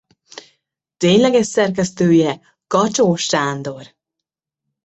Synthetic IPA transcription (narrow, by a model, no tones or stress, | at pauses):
t̪eːɲlɛɡɛʃsɛrk̬ɛst̪øːjɛ | kɒt͡ʃoːʃaːnd̪o̞r